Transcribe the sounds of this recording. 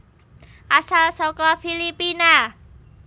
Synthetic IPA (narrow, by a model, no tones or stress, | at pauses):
ʔasalsɔkɔfilipina